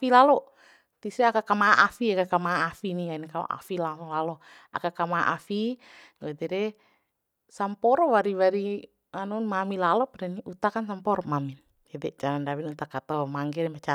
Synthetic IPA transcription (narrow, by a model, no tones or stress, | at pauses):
afilalɔ | t̪isɛakakamaaʔafiakakamaafiniainkao̰ʔa̰filaɔlalɔ | a̰kakamaaʔafi | ad̪ɛɾɛ | sampɔɾɔwaɾiwaɾi | anɔnmamilalɔpadaniut̪akansampɔɾɔmamin | jadɛt͡ʃaɾandawinut̪akat̪ɔmaŋɡɛɾɛmat͡ʃa